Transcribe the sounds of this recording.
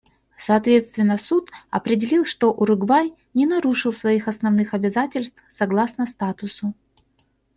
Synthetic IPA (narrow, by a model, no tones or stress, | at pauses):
sɐːt̪vʲe̞t̪st̪vʲɪnːəsut̪ɐpɾʲɪdʲɪlʲilˠʂt̪oʔʊɾʊɡvaj | nʲɪnɐɾuʂɨlˠsvɐixɐsnɐvnɨxɐbʲɪzatʲɪlʲst̪fsɐɡlˠasnəst̪at̪ʊsʊ